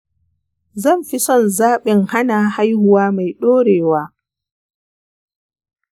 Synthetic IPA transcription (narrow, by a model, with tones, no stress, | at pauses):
zɐ˦˨mɸi˦sɔ˦˨nzaː˦ɓɪ˨ŋha˦naː˨ha˦jhʊ˦waː˦ma˨jɗoː˦ɽeː˨waː˦